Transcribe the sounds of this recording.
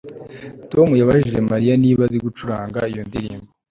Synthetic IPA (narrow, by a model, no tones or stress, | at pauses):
to̞mujaβaʒiʒe̞maɾijaniːβaziɡut͡ʃuɾaːŋɡaijo̞ndiɾḭːmbo